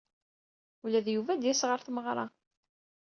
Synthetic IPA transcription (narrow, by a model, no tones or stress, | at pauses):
ulæðjuvæd̪jæsʁəɾθməʁɾˤɑ̰